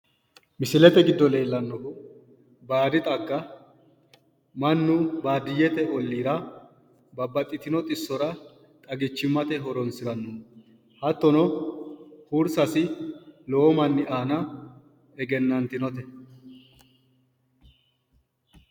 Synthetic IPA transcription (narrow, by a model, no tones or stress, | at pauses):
mɪsɪlɛt̪ɛɡɪd̪ːɔle̞ːlːɐnːɔkʊ | baːd̪ɪt̪ʼɐɡːɐ | mɐnːʊbaːd̪ɪjɛt̪ɛʔɔlːiːɾɐ | bɐbːɐt̪ʼːɪt̪ɪnɔt̪ʼɪsːɔɾɐ | t̪ʼɐɡɪt͡ʃːɪmːɐt̪ɛɦɔɾɔnsɪɾɐnːɔ | hɐt̪ːɔnɔ | huɾsɐsɪloːɔmɐnːɪʔaːnɐ | ɛɡɛnːɐnt̪ɪnɔt̪ɛ